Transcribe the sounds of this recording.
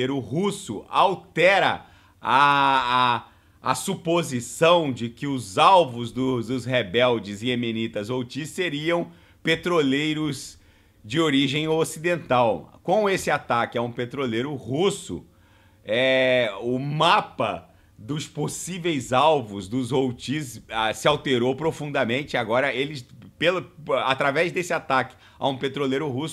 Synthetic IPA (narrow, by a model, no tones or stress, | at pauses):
ejɾʊhusʊʔawt̪ɛɾɐ | a | supozisɐ̃w̃d͡ʒɪkɪʊzawvʊzd̪ʊd̪ʊzhebɛwd͡ʒɪzɪemenit̪ɐzowt͡ʃiseɾiɐ̃w̃ | pet̪ɾolejɾʊz | d͡ʒɪoɾiʒẽj̃osid̪ẽnt̪awkõesɪat̪akɪaũpet̪ɾolejɾʊhusʊ̰ | ɛʊmapɐ | d̪ʊsposivejzawvʊzd̪ʊzowt͡ʃisasɪawt̪eɾowpɾofũnd̪ɐmẽnt͡ʃɪaɡɔɾɐelɪpelat̪ɾavɛzd̪esɪat̪akɪ̥ | a̰ũpet̪ɾolejɾʊɦusʊ